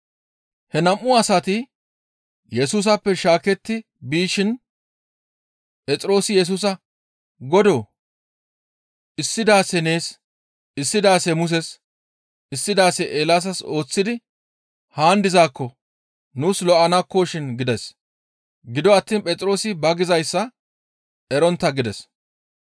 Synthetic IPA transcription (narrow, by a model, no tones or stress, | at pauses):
hɛnɐmːʊɐsɐt̪ɪ | jɛsuːs̬ɐpːɛʃaːkɛt̪ːɪ | biːʃɪn | pʼɛt͡sʼɪɾo̞ːsɪjɛs̬uːs̬ɐ | ɡɔd̪oː | ɪsːɪd̪aːsɛne̞ːs | ɪsːɪd̪aːsɛmʊs̬ɛs | ɪsːɪd̪aːsɛʔeːlas̬ɐso̞ːt͡sːɪd̪ɪ | haːnd̪ɪzaːkːɔ | nuːslɔʔɐnɐkːoːʃɪnɡɪd̪ɛs | ɡɪd̪ɔɐt̪ːiːnpʼɛt͡sʼɾo̞ːsɪbɐɡɪzɐjsːɐ | ɛɾɔnt̪ːɐɡɪd̪ɛs